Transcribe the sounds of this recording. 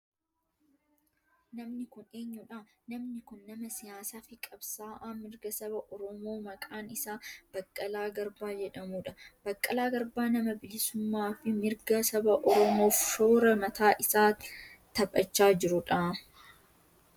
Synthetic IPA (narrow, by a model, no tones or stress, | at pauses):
nɐmnɪkʊne̞ːɲːʊᶑanɐmnɪkʊnːɐmɐsɪjaːsaːfɪkʼɐbsaːʔaːmɪɾɡɐsɐbɐʔɔɾɔmo̞ːmɐkʼaːnɪsaːb̥ɐkʼːɐlaːɡɐɾbaːd͡ʒɛᶑɐmuːᶑɐb̥ɐkʼːɐlaːɡɐɾbaːnɐmɐbɪlɪsʊmːaːfɪmɪɾɡɐsɐbɐʔɔɾɔmo̞ːfʃoːɾɐmɐt̪ʰaːʔɪsaːt̪ɐbʼɐt͡ʃːaːd͡ʒɪɾʊᶑɐ